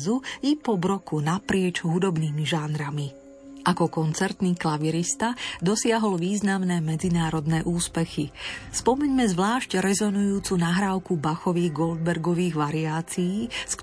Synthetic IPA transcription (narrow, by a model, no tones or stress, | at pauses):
zuipɔbɾɔkunapɾɪɛt͡ʃɦud̪ɔbniːmiʒanɾami | ʔakɔkɔnt͡sɛɾt̪niːklaʋiɾist̪ad̪ɔsɪaɦɔlʋiːznamnɛːmɛd͡zinaːɾɔd̪nɛːʔuːspɛxispɔmɛɲmɛzʋlaːʃcɾɛzɔnujuːt͡sunaɦɾaːʊkubaxɔʋiːɣɡɔld̪̚bɛɾɡɔʋiːɣʋaɾiaːt͡sijiːsk